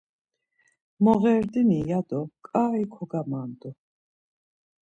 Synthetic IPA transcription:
mɔɣɛɾd̪inijad̪ɔkʼaːikʰɔɡamaːnd̪ɔ

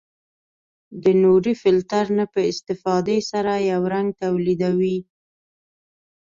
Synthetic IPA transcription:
d̪ənoɾifɪlt̪aɾnapəɪst̪ɪfɑd̪esaɾajawɾaŋɡ̚t̪awlid̪awi

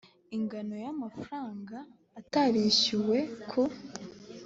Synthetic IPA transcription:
iŋɡano̞jamafɾaːŋɡaː | taβiɕuwe̞kʰo

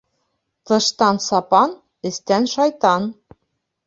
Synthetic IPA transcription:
t̪ɤ̆ʃt̪ɑnsɑpɑn | ɘ̆st̪ænʃɑjt̪ɑn

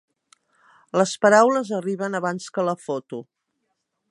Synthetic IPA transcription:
ləspəɾawləzəriβənəβanskələfot̪u

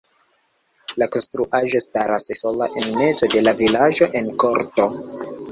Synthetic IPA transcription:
lako̞nstɾuʔaʒo̞staɾasso̞laʔenme̞zo̞de̞lavilaʒo̞ʔe̞nko̞ɾto̞

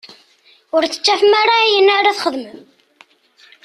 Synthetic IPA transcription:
ʊɾt͡sːə̥t͡ʃːæfmaɾˤaijənːaɾaθχəðmən

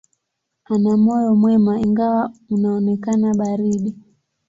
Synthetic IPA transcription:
anamɔjɔmwɛmaiŋɡawaunaɔnɛkanaɓaɾiɗi

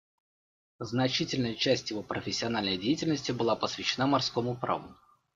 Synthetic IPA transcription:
znɐt͡ɕitʲɪlʲnəjət͡ɕæsʲtʲjɪvo̞pɾəfʲɪsʲːɪɐnalʲnəjdʲejtʲɪlʲnəsʲtʲɪbɨlˠapəsvʲɪɕːɪnamɐrsko̞mʊpɾa̰vʊ̰

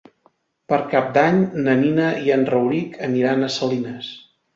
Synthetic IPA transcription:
pəɾkap̚d̪aɲnəninəiənrəwɾikʰəniɾanəsəlinəs

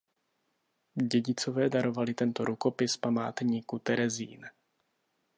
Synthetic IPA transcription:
ɟɛɟɪt͡so̞vɛːdaɾo̞valɪt̪ɛnt̪oɾʔuko̞pɪspama̰ːt̪ɲiːkut̪ɛɾɛzḭːn

